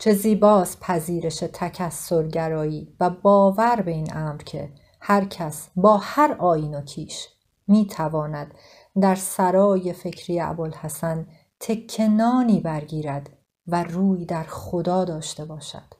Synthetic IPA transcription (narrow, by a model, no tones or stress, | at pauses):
t͡ʃʰeziːbɒːspʰæziːɾe̞ʃe̞t̪ʰæcʰæsːo̞ɾɟæɾɒːjiːvæbɒːvæɾbe̞iːnʔæːmɾcʰe̞̰ | hæɾcʰæsbɒːhæɾʔɒːjiːno̞cʰiːʃ | miːt̪ʰævɒːnæd̪̥ | d̪æɾsæɾɒːje̞fe̞cʰɾijeæ̰bolhæsæn | t̪ʰe̞kʰːe̞nɒːniːbæɾɡiːɾæd̪ | væruːjd̪æɾxχo̞d̪ɒːd̪ɒːʃt̪e̞bɒːʃæ̰d̪̥